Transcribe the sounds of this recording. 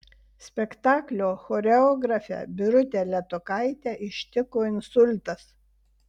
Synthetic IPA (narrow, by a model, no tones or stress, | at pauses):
sʲpʲɛkt̪ɑːklʲoːxoːɾʲɛɔːɡɾɐfʲɛ̰bʲɪɾʊt̪ʲeːlʲɛt̪ʊkɐɪt̪ʲæːʔɪʃʲt̪ʲɪkoːɪnsʊlʲt̪ɐs